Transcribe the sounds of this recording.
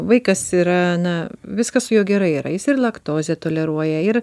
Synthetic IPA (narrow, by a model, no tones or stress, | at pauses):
ʋɐɪkɐsiːɾɐnɐʋʲɪskɐssʊjoːɡʲɛɾɐɪiːɾɐ̰jɪsɪrlˠɐkt̪oːzʲɛt̪oːlʲɛɾuɔjɛɪɾ